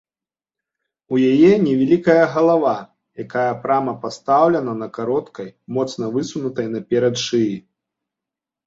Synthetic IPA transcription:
ujajɛnʲɛvʲalʲikɐjɐɣɐlˠava | jakajɐpɾamɐpast̪awlʲɛnɐnɐkaɾɔt̪kɐjmɔt̪snɐvɨsunut̪ɐjnɐpʲɛɾɐt̪ʂɨji

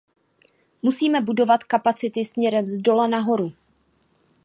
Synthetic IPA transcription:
musiːmɛbudo̞vat̪kapat͡sɪt̪ɪsmɲɛɾɛmzdo̞lanaɦo̞ɾu

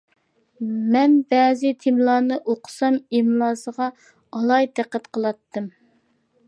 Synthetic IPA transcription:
mɛnbɛːzɪt̪ʰɪmlˠɑːnɨʔoqʰə̥sɑmemlˠɑːsəʁɑ | ɑlˠɑjd̪æqːæt̪qʰəlˠɑt̪ʰːɨm

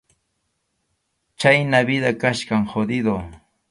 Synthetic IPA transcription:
t͡ʃajnaβɪd̪akaʃkaŋhod̪ɪd̪o

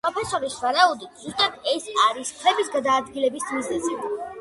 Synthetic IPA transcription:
pɾɔpʰɛsɔɾisvaɾaud̪it̪ʰz̥ust̪ʼat̪ɛsaɾiskʰɾɛbisɡad̪aːd̪ɡilɛbismizlɛzi

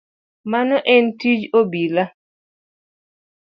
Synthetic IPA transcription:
manɔʔɛntid͡ʒobila

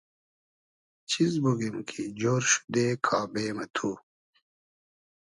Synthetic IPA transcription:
t͡ɕʰizbuɡimkʰid͡ʑoːɾɕu̥d̪eːkʰaːbeːmɐt̪ʰuː

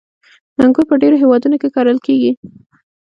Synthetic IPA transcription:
naŋɡuɾpəɖeɾoɦewɑd̪unokekɑɾəlkeɡi

